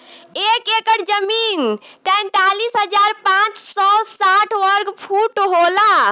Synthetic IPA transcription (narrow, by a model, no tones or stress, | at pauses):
ekekəɾd͡ʒəmint̪ɛ̃nt̪alisɦəd͡ʒaɾpãt͡ʃsɔsaʈʰwəɾɡpʰuʈɦola